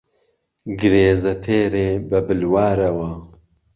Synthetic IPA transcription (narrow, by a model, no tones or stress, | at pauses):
ɡɨɾeːzɐt̪ʰeːɾeːbɐbɨlwaːɾɐwɐ